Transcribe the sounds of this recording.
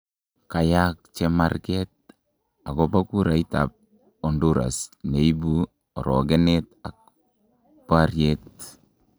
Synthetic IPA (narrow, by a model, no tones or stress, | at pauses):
kajak̚t͡ʃɛma̰rkɛt̚ | akɔbakuɾaita̰p̚ | ɔnduɾa̰sneibu | ɔɾɔɡɛnetak̚ | parjet̚